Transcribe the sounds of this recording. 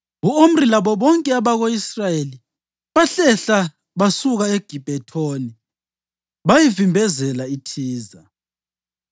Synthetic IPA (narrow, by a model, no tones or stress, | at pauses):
ɣuom̩rilaβɔβɔŋkʼɛaβaɣoisrajeli | βaɬɛɬa | βasuɣaeɡ̥ʱib̥ʱɛtʰoːni | βajivimbʱɛzɛlaitʰiːza